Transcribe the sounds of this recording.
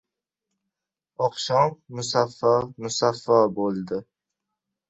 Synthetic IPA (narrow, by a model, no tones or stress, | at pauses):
ɒqʃɒmːʊsafːɒmʊsafːabolˠd̪ɪ